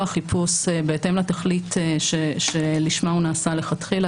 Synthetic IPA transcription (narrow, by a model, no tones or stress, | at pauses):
aχipʰusebeetemlataχliteʃeʃeliʃmaunaːsaleχatχila